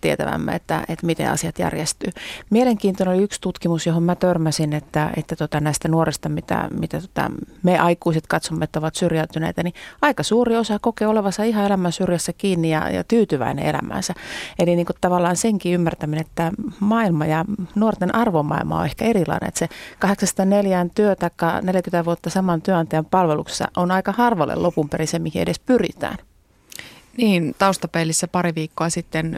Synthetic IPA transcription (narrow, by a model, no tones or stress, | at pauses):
t̪iet̪æ̰ʋæ̰mːæ̰ḛt̪ːæ̰et̪mit̪ḛɑ̰siɑt̪jæ̰rjest̪yːmieleŋkiːnt̪onenoliykst̪ut̪kimusjohommæt̪ørmæsinet̪ːæḛt̪ːæt̪uot̪ɑnæist̪ænuorist̪ɑmit̪æ̰mit̪æt̪uŏ̥t̪ɑ̰meʔɑikuiset̪kɑt̪somːeet̪ːæoʋɑt̪syrjælt̪ynḛit̪æniɑikɑsuːriosɑkokeoleʋɑsːɑiɦɑelæmænsyrjæsːækiːnːijɑ̰jɑ̰t̪yːt̪yʋæ̰inḛelæ̰mæ̰ːnsæeliniːŋkott̪ɑʋɑlːˑɑːnseŋkiymːært̪æmineet̪ːæmɑilmɑjɑnuort̪enʔɑrʋomɑ̰ḭlmɑ̰o̰ehkæerilɑ̰inḛḛt̪sekɑheksɑsɑt̪ɑneljænt̪yøt̪ɑikːɑneljækymt̪æʋuot̪ːɑsɑmɑnt̪yøɑnt̪eɑmpɑlʋelukse̥sːɑ̰ʔonɑikɑhɑrʋɑlḛlopumpeɾisemihiedespyrḭt̪æ̰ːn | niːnt̪ɑust̪ɑpelːisːæpɑɾiʋiːkːoɑsit̪ːen